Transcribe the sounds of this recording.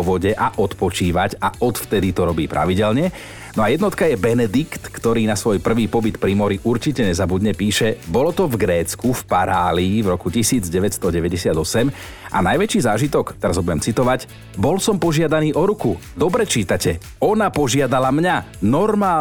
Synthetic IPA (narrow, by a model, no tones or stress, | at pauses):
ʋɔɟɛʔaʔɔt̪pɔt͡ʃiːʋacaɔt̪ft̪ɛd̪it̪ɔɾɔbiːpɾʔa̰ʋiɟɛlɲɛ | nɔajɛd̪nɔt̪kajɛbɛnɛd̪ikt̪kt̪ɔɾiːnasʋɔjpr̩ʋiːpɔbit̪pɾimɔɾiʔuɾt͡ʃicɛɲɛzabud̪ɲɛpiːʃɛbɔlɔt̪ɔvɡɾɛːt͡skufpaɾaːliːvɾɔkucisiːd͡zɟɛʋɛtst̪ɔɟɛʋɛɟɛsɪad̪ɔsɛm | ʔa̰najʋɛt͡ʃiːzaːʒit̪ɔkt̪ɛɾazɦɔbuɟɛmt͡sit̪ɔʋac | bɔlsɔmpɔʒɪad̪aniːʔɔɾukud̪ɔbɾɛt͡ʃiːt̪acɛ | ɔnapɔʒɪad̪alamɲanɔɾmaː